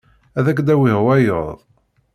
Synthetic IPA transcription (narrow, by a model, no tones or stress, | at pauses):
æðæk̬ːd̪æwihwæjəðˤ